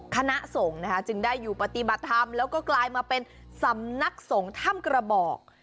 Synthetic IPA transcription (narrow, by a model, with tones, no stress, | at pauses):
kʰa˧na˦˥ʔso˩˦ŋna˦˥kʰa˦˥t͡ɕɯ˧ŋdaː˥˩jːuː˨˩pa˧t̪i˨˩ba˨˩t̪ʰːa˧mlɛː˦˥wkɔː˥˩klaː˧jmaː˧pe˧n | sa˩˦mna˦˥k̚so˩˦ŋt̪ʰa˥˩mkɾa˧bɔː˨˩k̚